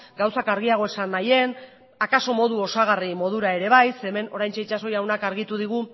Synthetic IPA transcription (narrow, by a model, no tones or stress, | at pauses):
ɡawsakaɾɣ̞iaɣ̞o̞e̞sanːaje̞n | akaso̞mo̞ð̞uo̞saɣ̞arimo̞ð̞uɾae̞ɾe̞β̞ajse̞me̞no̞ɾajnt͡ʃe̞it͡ʃaso̞jawnakaɾɣit̪uðiɣ̞u